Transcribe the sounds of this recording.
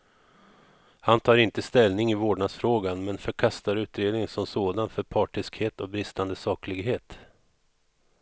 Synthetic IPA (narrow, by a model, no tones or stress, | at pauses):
hant̪ʰɑːɾɪnt̪əst̪ɛlnɪŋɪvoːɖɳad̪sfɾoːɡanmɛnfœɾkʰast̪aɾʉ̟ːt̪ɾeːd̪nɪŋənsɔmsoːd̪anfœɾpʰɑːʈɪskheːt̪ɔk̚bɾɪst̪and̪əsɑːklɪɡɦeːt̪